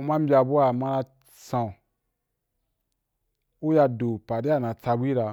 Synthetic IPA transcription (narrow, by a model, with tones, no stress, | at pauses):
u˧˦ma˦m̩˦bʲi˦a˧bu˦a˨ma˦na˧ | sã˨ | u˦ja˧do˨pa˨di˦a˦˨nã˨t͡sa˧bʷi˦ɾa˧